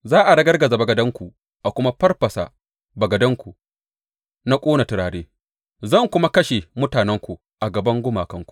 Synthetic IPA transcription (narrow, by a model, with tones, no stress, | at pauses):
zaː˦ʔa˨ɽɐ˦ɡɐ˦rɡɐ˨za˨bɐ˨ɡɐ˨dɐ˦ŋkʷu˨ | ʔa˨kʷʊ˦ma˦ɸɐ˦rɸɐ˨sa̰˨ | bɐ˨ɡɐ˨dɐ˦ŋkʷu˨ | na˦kʷʼoː˦na˨tɪ˨ɾaː˨ɽeː˦ | zɐ˦˨ŋkʷʊ˦ma˦kɐ˦ʃe˨mʊ˦taː˨nɛ˦ŋkʷu˨ | ʔa˨ɡɐ˨bɐ˦ŋɡʷʊ˦maː˨kɐ˦ŋkʷu̥˨